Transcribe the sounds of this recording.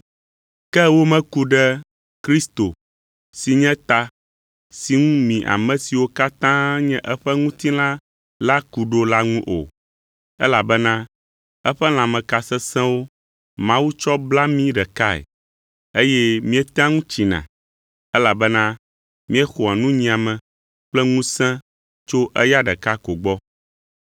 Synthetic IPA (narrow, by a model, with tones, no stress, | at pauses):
kɛ˦wo˦mɛ̃˦ku˨ɖɛ˦ | kɾi˦st̪o˨ | si˨ɲɛ̃˦t̪a˦ | si˨ŋũ˦mĩ˨ʔa̰˨mɛ̃˨si˨wo˦ka˦t̪ã˦ɲɛ̃˦ʔɛ˦ɸɛ˦ŋũ˦t̪ĩ˦la˦ | la˦ku˨ɖo˦la˦ŋũ˦ʔo̰˨ | ɛ˦la˨bɛ˦nã˦ | ɛ˦ɸɛ˦l̃ã˨mɛ̃˨ka˨sɛ˦sɛ̃˦wo˦ | mã˦wu˦t͡ʃɔ˦bla˦mĩ˦ɖɛ˨ka˦ɛ̰˨ | e˦jɛ˦mĩ˦ɛ˦t̪ã˦ŋũ˦t͡ʃi˨nã̰˨ | ɛ˦la˨bɛ˦nã˦ | mĩ˦ɛ˦xo˨a˨nũ˦ɲĩ˨ã˨mɛ̃˨ | k͡plɛ˦ŋũ˦sɛ̃˦ | t͡ʃo˦ʔɛ˦ja˦ɖɛ˨ka˦ko˨ɡ͡bɔ˦